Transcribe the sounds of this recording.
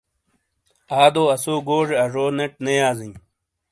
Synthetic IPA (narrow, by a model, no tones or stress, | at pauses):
aːd̪oːɐsoːɡoːʐeɐʐoːneʈnejaːzĩː